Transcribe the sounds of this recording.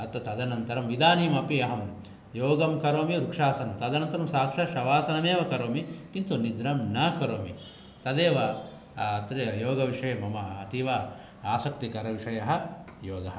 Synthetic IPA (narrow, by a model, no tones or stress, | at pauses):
ɐt̪ɐt̪ɐd̪ɐnɐnt̪ɐɾɐmʋid̪aːniːmɐpiɐɦɐm | joːɡɐmkɐɾoːmiɾukʂaːsɐnɐmt̪ɐd̪ɐnɐnt̪ɐɾɐmsaːkʂɐʃɐʋaːsɐnɐmeːʋɐkɐɾoːmikint̪unid̪ɾɐmnaːkɐɾoːmi | t̪ɐd̪eːʋɐː | t̪ɾejoːɡɐʋiʂɐjɐmɐmɐɐt̪iʋɐ | aːsɐkt̪ikɐɾɐʋiʂɐjɐɦɐjoːɡɐɦɐ